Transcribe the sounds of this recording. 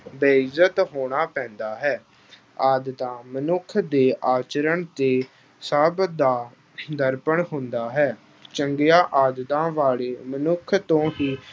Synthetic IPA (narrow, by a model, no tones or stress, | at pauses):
beɪzət̪ɦoːɽ̃aːpɛ̃ːnd̪aːɦɛː | aːd̪t̪ãːmənʊkʰd̪eːʔaːt͡ʃəɾəɳt̪eː | səbd̪aː | d̪əɾpəɳɦʊnd̪aːɦɛː | t͡ʃəŋɡɪjaːʔaːd̪t̪ãːʋaːɭeːmənʊkʰt̪õːɦiː